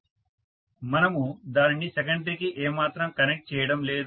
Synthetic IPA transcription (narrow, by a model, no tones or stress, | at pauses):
mɐnɐmud̪aːnnːisek̬ɐɳɖikiʔeːmaːt̪ɾɐmkɐnek̚ʈ̚t͡ʃɛːjɐɽɐmleːd̪